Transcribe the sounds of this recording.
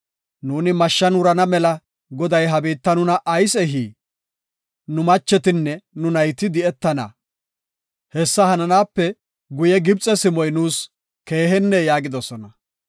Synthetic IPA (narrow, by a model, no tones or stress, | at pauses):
nuːnɪmɐʃːɐnʊɾɐnɐmɛlɐ | ɡɔd̪ɐjɦɐbiːt̪ːɐnʊnɐʔɐjsɛɦiː | nʊmɐt͡ʃːɛt̪ɪnːɛnʊnɐjt̪ɪd̪ɪɛt̪ːɐnɐ̰ | hɛsːɐhɐnɐnaːpːɛ | ɡʊjɛɡɪb̚t͡sʼːɛsɪmɔjnuːs | ke̞ːɦɛnːɛjaːɡɪd̪ɔsɔnɐ